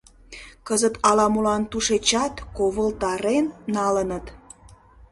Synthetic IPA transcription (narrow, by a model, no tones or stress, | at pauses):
kəzət̪ɑlɑmulɑnt̪uʃet͡ɕɑt̪koβəlt̪ɑɾenːɑlənət̪